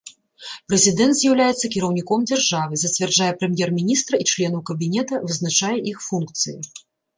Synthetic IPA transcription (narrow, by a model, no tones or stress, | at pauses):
pɾɛzʲid̪ɛnt̪zʲjawlʲajɛt̪sːɐkʲiɾɐwnʲikɔmd͡zʲarʐavɨzɐt͡sʲvʲɛrd͡ʐajɛpɾɛmʲjɛrmʲinʲist̪ɾɐit͡ʂlʲɛnɐwkɐbʲinʲɛt̪ɐvɨznat͡ʂajɛʔixfunk̚t̪sɨjḭ